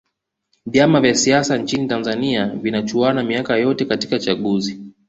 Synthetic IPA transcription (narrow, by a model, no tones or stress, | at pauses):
vjamavjasiasant͡ʃinitanzaniavinat͡ʃuanamiakajɔtɛkati̥kat͡ʃaɠuzi